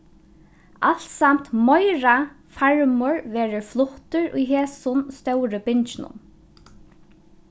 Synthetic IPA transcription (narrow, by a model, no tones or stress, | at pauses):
ʔalt̪sam̥t̪mɔjɾa | faɹmʊɹʋɛːɾəflʊht̪ʏɹṵjɦeːsʊnst̪œwɾəbɪɲt͡ʃɪnʊ̰m